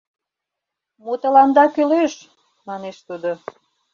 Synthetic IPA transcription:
mot̪ə̆lɑnd̪ɑkyleʃ | mɑneʃt̪ud̪o

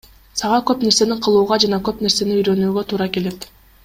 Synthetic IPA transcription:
sɑʁɑkø̞pne̞ɾse̞niqʰɯlˠuːʁɑd͡ʒɑnɑkø̞pne̞ɾse̞niyjɾø̞nyːɡø̞t̪ʰuːɾɑke̞le̞t̪

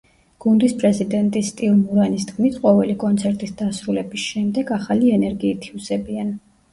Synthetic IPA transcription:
ɡ̥und̪ispʼɾɛzid̪ɛnt̪ʼist̪ʼilˠmuɾanisd̪ɡmit̪ʰqʼɔvɛlikʼɔnt̪sʰɛɾt̪ʼisd̪̥asɾulɛbisʃɛmd̪ɛɡaχaliɛnɛɾɡiːt̪ʰiusɛbian

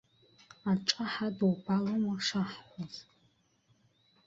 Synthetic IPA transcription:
aʈ͡ʂʼaħadowbʰalomaʂaħχʷɔz

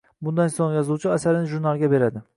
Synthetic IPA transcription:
bʊnd̪ansoŋjɒzuwt͡ʃʰɪasaɾɪnɪʒuɾnalˠɡʲabe̞ɾad̪ɪ

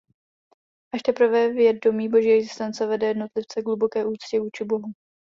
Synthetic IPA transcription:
ʔaʃt̪ɛpr̩vɛvjɛd̚domiːbo̞ʒiːʔɛɡzɪ̥st̪ɛnt͡sɛvɛdɛjɛdno̞t̪lɪft͡sɛɡlubo̞kɛːʔuːt͡scɪvuːt͡ʃɪbo̞ɦu

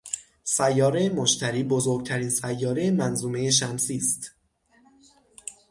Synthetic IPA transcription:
sæjːɒːɾe̞jemoʃt̪ʰæɾiːbozoɾɡ̚t̪ʰæɾiːnsæjːɒːɾemænzuːme̞jeʃ̬æmsiːst̪

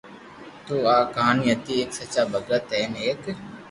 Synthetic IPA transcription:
t̪oːaːkaːnjət̪ieːksət͡ʃaːbəɡət̪eːneːk

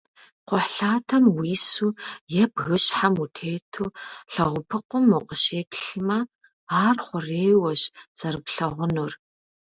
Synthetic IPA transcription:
qʷʊħɬaːtʰɐmwiːsuːjɛbɣɨɕħamutʰeːtʰuːɬɐʁʷʊpʰɨqʷʊmːuqʼəʃeːpɬɨmɐ | aːrχʷʊreːwɐɕt͡sɐɾɨpɬɐʁʷʊnur

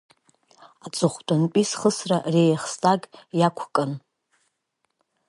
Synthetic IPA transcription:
at͡sʼʊχʷtʼʊnpʼisχəsrarejχstʼaɡjakʷʰkʼɨn

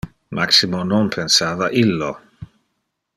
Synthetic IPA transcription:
mʔaksimononpʰensaːvaʔilːo

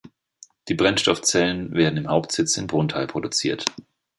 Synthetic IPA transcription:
d̥iːbʁɛnʃtɔft͡sɛlənveːɐdn̩ɪmhaʊptz̥ɪt͡sɪnmbʁʊntʰaɪlpʁ̥odut͡siːɐt

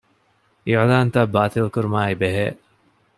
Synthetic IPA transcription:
ʔiʕlaːnt̪abaːt̪ilkuɾumaːibeɦḛː

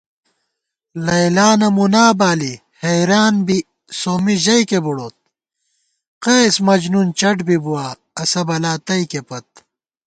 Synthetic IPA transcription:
lɐjlaːnɐmunaːbaːli | hɐjɾaːnbi | soːmiʑɐjkebuɽoːt̪̚ | qeːsmɐd͡ʑnunt͡ɕɐʈbibuwaː | ɐsɐbɐlaːt̪ɐjkepɐt̪̚

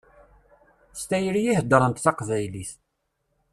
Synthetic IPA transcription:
st̪æjɾijihd̪əɾˤənt̪θɑqvæjliθ

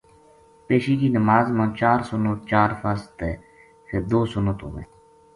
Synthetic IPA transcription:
peːʃiːkiːnəmaːzmãːt͡ʃaːɾsʊnoːt͡ʃaːɾfəst̪eː | kʰeːd̪oːsʊnõːt̪o̰ːmḛː

